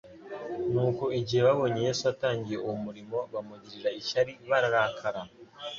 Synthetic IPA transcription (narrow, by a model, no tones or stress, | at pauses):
nuːko̞iɟihe̞βaβo̞ɲeje̞ːsuataːɲɟije̞uwomuɾimo̞βamuɟiɾiɾaiʃaɾiβaɾaɾakʰaɾa